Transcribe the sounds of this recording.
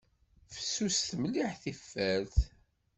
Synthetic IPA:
fə̥sːusθmliħθifːæɾθ

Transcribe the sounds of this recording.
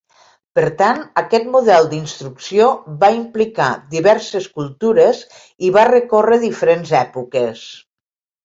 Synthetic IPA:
pəɾt̪anəkɛt̪muðɛlˠd̪inst̪ɾuksijoβaimplikad̪iβɛɾseskulˠt̪uɾez | iβarəkorəðifəɾenzɛpukes

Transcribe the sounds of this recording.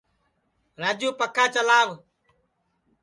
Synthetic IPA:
ɾaːd͡ʒuːpəkʰãːt͡ʃəlaːʋ

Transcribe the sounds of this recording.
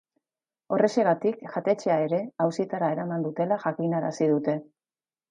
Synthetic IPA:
o̞re̞se̞ɣ̞at̪ikʝat̪e̞t͡ʃe̞ae̞ɾe̞awsit̪aɾae̞ɾamand̪ut̪e̞laʝakinaɾa̰sið̞ut̪e̞

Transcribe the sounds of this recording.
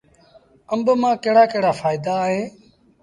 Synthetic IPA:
əmbmãːkeːɽaːkeːɽaːfaːɪd̪aːɦẽː

